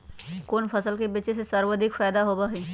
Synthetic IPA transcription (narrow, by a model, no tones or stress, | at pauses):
koːnfɐsəlkebiːt͡ʃesesɐɾwəd̪ʱɪkfaːd̪aɦoːbaɦiː